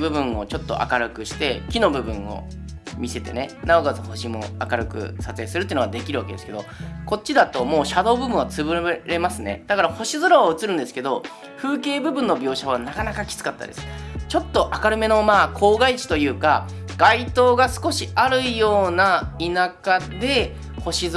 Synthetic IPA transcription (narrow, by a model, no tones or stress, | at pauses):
bɯ̟bɯ̟̃ɰ̃o̞̰t͡ɕo̞t̪ːo̞̰ʔa̰kaɾɯ̟kɯ̟ɕi̥t̪e̞kʲino̞bɯ̟bɯ̟̃ɰ̃o̞̰ | mʲise̞t̪e̞̰ne̞naoɡazɨho̞ɕimo̞̰akaɾɯ̟kɯ̟̰sat͡sɨe̞ːsɨɾɯt̪oiɯnoɡad̪e̞kʲiɾɯ̟βake̞d̪eskeo̞ko̞t͡ɕːid̪at̪o̞mo̞ːɕad̪o̞ːbɯ̟bɯ̟̃ɰ̃βat͡sɨbɯ̟ɾe̞masɨne̞̰d̪̥akaɾaho̞ɕizɨɾoβaɯ̟t͡sɨɾɯ̟̃nd̪e̞sɨ̥ke̞d̪o̞ | ɸɯ̟ːke̞ːbɯ̟bɯ̟̃nːo̞bʲo̞ːɕaβ̞anakanakakʲi̥t͡sɨ̥kat̪ːa̰d̪e̞sɨ̥t͡ɕo̞t̪ːo̞ʔakaɾɯ̟me̞no̞maːkʰo̞ːɡait͡ɕi̥t̪o̞jɯ̟ːka | ɡait̪o̞ːɡasɨ̥ko̞ɕiaɾɯ̟ijo̞ːnainakad̪e̞ | ho̞ɕi